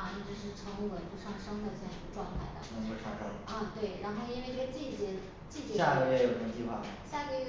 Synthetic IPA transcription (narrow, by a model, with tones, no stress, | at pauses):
ʈ͡ʂ̩˧˩ʂɻ̩˥˩ʈ͡ʂʰɤ˧˥ŋ˥˧˩wə˧˨˩nu˥˧ʂɑ˥˩ŋʂɑ˥ŋd̪ə˨˧ɕə˧˥ʈ͡ʂwɑ˥˧ŋt̪ʰa˥˩ɪd̪ə̰˩˧˥ə˥˩ʈ͡ʂʰɑ̰˥˩ʈ͡ʂɑ˥˩ɐ˥˧t̪we˥˩ɪɻa˧˥nxo˥˧ʊi˥nwe˥˧ɪpʰe˥˧t͡ɕi˥˩t͡ɕɛ˧˥ | t͡ɕi˥˩t͡ɕa˥˩kə˧˥je˥˩jo˨˩ʊ˩ə˧˥ŋ˩t͡ɕi˥˧xwa˥˩ɕja˥˩kə˥i˥